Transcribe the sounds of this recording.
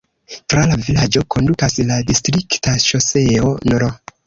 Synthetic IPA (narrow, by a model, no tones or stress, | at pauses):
tɾalavilad͡ʒo̞kʰo̞ndukasladistɾiktaʃo̞se̞onoɾo